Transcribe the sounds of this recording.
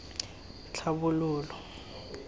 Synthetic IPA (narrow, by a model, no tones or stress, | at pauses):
t͡ɬʰaβʊlʊːlɔ